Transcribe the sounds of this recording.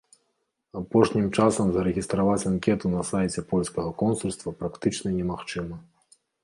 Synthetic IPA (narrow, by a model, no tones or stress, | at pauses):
apɔʂnʲimt͡ʂasɐmzɐɾɛɣʲist̪ɾavat͡sʲankʲɛt̪unɐsajt͡sʲɛpɔlʲskɐɣɐkɔnsulʲst̪vɐpɾakt̪ɨt͡ʂnɐnʲɛmaxt͡ʂɨmɐ